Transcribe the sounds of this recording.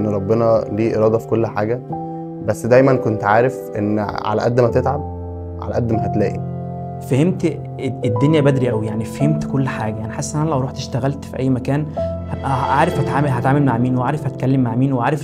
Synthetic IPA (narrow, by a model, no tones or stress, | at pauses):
nːɾˤɑbːenɑliːʔḛɾˤɑːd̪ˤɑfi̥kolːħaːɡæ | bæsːd̪æjmænkont̪ʕaːɾefʔenːʕa̰læ̰ʔæd̪ːmæt̪et̪ʕab̚ | ʕa̰læ̰ʔæd̪ːmæɦæt̪læ̰ːʔi | fæhemt̪ | ed̪ːonjæbæd̪ɾiʔæwijaʕnifæhemt̪kolːħaːɡæjænæħesːʔnʔænælæʔɾuːħt̪eʃt̪æɣælt̪fiʔæjːmækæːnhæʔæʔaːɾefhæt̪ʕaːmeɦæt̪ʕaːmelmaʕmiːnweʕaːɾefhæt̪̚kælːemːaʕmiːnweʕaːɾef